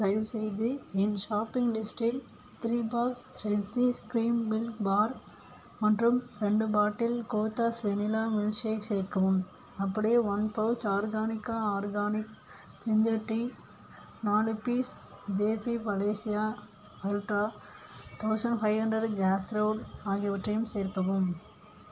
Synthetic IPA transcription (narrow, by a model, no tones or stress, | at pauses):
sɐɪʋsɛjðɯɪnʃaːpːɪŋɡlɪsʈɾɪk | t̪ɾiːbaːks | ɾɛlsiskɾiːmbɪlkbaːɾ | mɐʈrɯmɾɛɳɖɯbaːʈːɪlkoːt̪ːaːsʋenɪlaːmɪlʃeːkseːkːɐʋɯm | ɐpːɐɽɐjeːʋɐnpɐʊt͡ʃaːɾɡaːnɪkːaaːɾɡaːnɪk | t͡ʃɪɲd͡ʒɐʈːi | naːlɪpiːs | d͡ʒeːfipɐleːsɪjaː | ɐlʈaː | t̪ʰɐʊsɐɳɖfɐɪʋɦɐɳɖɐɖɡaːsɾɐʊɖaːɣɪjɐʋɐʈrɐjɯmseːɾkɐʋɯm